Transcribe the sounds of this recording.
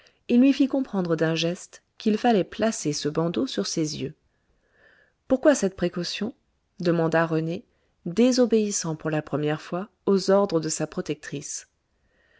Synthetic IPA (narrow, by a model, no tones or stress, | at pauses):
ilːɥifikɔ̃pχɑ̃d̪ʁəd̪ɛ̃ʒɛst̪ | kʲilfalɛplasesəbɑ̃d̪osyʁsezjø | puʁkwasɛt̪̚pχekɔsjɔ̃ | d̪əmɑ̃d̪aʁəne | d̪ezobeisɑ̃puʁlapχəmjɛʁfwa | ozɔʁd̪ʁəd̪əsapχɔt̪ɛk̚t̪χis